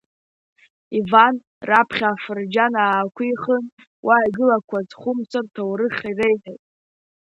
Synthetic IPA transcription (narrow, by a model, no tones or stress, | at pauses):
ivan | rapʰχʲaːfɨrd͡ʒanaːkʷʰijχən | wʔaaɡɨlakʷʰazχʷʊmt͡sʷʰartʰawɾɨχʲirejħajtʼ